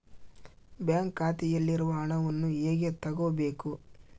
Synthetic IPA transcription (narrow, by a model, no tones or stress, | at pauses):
bjaːŋkːaːt̪ijɐlːiɾuʋɐɦɐɳɐʋɐnːueːɡet̪ɐɡoːbeːku